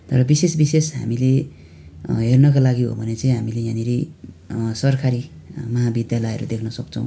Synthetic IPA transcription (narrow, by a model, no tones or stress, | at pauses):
t̪ʌɾʌbisesbisesɦa̰mile | ɦernʌkalaɡiɦo̰bʱʌnet͡sʌĩɦamilejãniɾi | sʌrkʰaɾi | mʌɦabid̪jalʌjʌ̰ɾṵd̪ekʰnʌsʌkt͡sʰʌ̃w̃